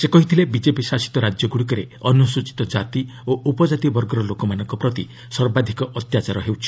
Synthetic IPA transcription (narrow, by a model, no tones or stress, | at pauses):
sekɔɦit̪ʰilebid͡ʒepisasi̥t̪ɔɾad͡ʒjɔɡuɽik̬ɔɾe | ɔnusut͡ʃi̥t̪ɔd͡ʒat̪i | oʔupɔd͡ʒat̪ibɔɾɡɔɾɔlokɔmanɔŋkɔpɾɔt̪i | sɔɾbad̪ʱikɔʔɔt̪jat͡ʃaɾɔɦewt͡ʃʰi̥